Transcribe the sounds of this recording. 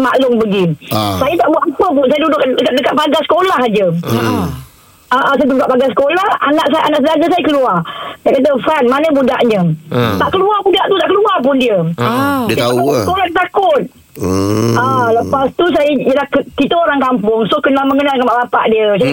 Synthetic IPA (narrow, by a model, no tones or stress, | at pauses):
ma̰lʊŋbəɡisajət̪aʔbwaʔampʊŋpʊnsajədudʊʔdəkat̪̚dəkaʔ̚paɡasə̥kolaɦad͡ʒə | aʔas̬ajd̪udkaʔpaɡasə̥kolahanaʔsajʔanaʔs̬ədaɡəsajəkəluart̪aʔkat̪̬əfanmanəbuda̰ʔɲət̪aʔkəluabudaʔt̪ut̪aʔkəluarp̬ʊndiə | iaaskolahət̪akʊt̪̚ | aləpast̪us̬ajəd͡ʒəlahkəkit̪əoɾaŋkampʊŋsohkənaməŋənalkanmaʔbapa̰ʔdiəs̬ajə